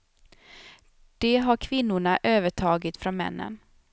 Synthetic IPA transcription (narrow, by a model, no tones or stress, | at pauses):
d̪̥ɛɦaɾkʰvɪnːʊɳaʔøːvəʈʰɑːɡɪt̪fɾɔnmɛ̰nːə̰n